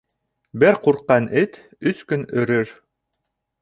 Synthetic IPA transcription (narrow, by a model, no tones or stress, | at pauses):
bɘɾquɾqːɑnʔɘt̪ | ɵskɵnɵ̆ɾɵɾ